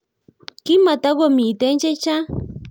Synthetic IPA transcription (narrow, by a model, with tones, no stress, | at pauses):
ki˦ma˨t̪a˦ɡo˦mi˨t̪e˦nt͡ʃe˦t͡ʃa˦